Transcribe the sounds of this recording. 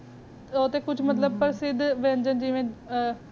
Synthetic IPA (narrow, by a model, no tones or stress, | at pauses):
oːt̪eːkʊd͡ʒʰʱmət̪ləb̚pəɾsɪd̪ʋɛ̃ːnd͡ʒənd͡ʒiʋẽː